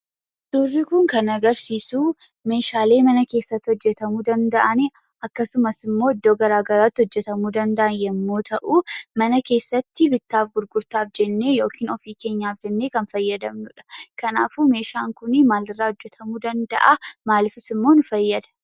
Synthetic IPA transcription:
d̪̥ʊrːɪkʊŋkɐnɐɡɐɾsiːsuːme̞ːʃaːle̞ːmɐnɐke̞ːsːɐt̪ːɪhɔd͡ʒːɛt̪ɐmuːd̪ɐnd̪ɐʔɐnɪ | ɐkːɐsʊmɐsɪmːoːɪd̪ːoːɡɐɾaːɡɐɾaːt̪ːɪhɔd͡ʒːɛt̪ɐmuːd̪ɐnd̪ɐʔɐnjɛmːoːt̪ʰɐʔuːmɐnɐke̞ːsːɐt̪ːɪbɪt̪ːaːfɡʊɾɡʊɾt̪aːfd͡ʒɛnːe̞ːjo̞ːkiːnɔfiːke̞ːɲːaːfd͡ʒɛnːe̞ːkɐnfɐjːɐd̪ɐmnʊᶑɐ̥kɐnaːfuːme̞ːʃaːŋkʊnɪmaːlɪrːaːhɔd͡ʒːɛt̪ʰɐmuːd̪ɐnd̪ɐ̰ʔamaːlɪfɪsɪmːoːnʊfɐjːɐd̪ɐ̥

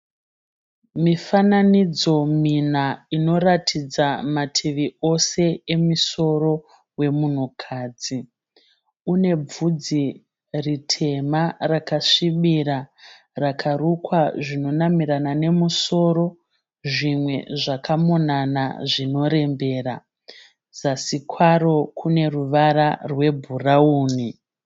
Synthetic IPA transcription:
mifananid͡zo̞minaino̞ratʰid͡zamatʰiʋio̞se̞emiso̞ɾo̞ | we̞mun̤okʰaːd͡zi | une̞b͡vud͡zi | ritʰe̞marakaʂiɓiɾa | rakʰarukwaʐino̞namiɾanane̞muso̞ɾo̞ | ʐimwe̞̰ʐakamonana̰ʐino̞ɾe̞mbe̞ːɾa | zasikwaɾo̞kʰune̞ruʋaɾarwe̞bʱurauːni

